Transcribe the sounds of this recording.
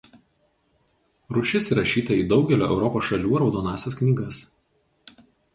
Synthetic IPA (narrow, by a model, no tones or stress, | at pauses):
ɾʊʃʲɪsiɾɐʃʲiːt̪ɐiːd̪ɒʊɡʲɛlʲoːʔɛʊɾɔpoːsʃɐlʲuːɾɒʊd̪oːnɑːsʲɛsknʲiːɡɐs